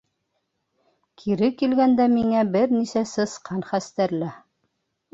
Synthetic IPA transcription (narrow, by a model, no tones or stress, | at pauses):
kʰiɾɘkilɡænd̪æmiŋæbɘɾnisæsɤ̆sqɑnχæst̪æɾlæ